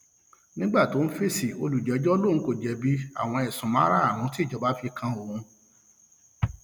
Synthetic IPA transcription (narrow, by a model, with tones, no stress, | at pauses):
nĩ˦ɡ͡ba˦˨to˨˦n̩˦fe˦si˨o̰˧lu˨d͡ʒɛ˨˦d͡ʒɔ˦o˦lõ˦˨˦ko˦˨d͡ʒɛ˨˦bi˦a̰˨w̃ɔ̃˧ɛ˨sũ˨mã˦ɾa˦a˦˨ɾ̃ũ˨˦ti˦˨d͡ʒɔ˨ba˨˦fi˧kʰã˧o˨ũ˧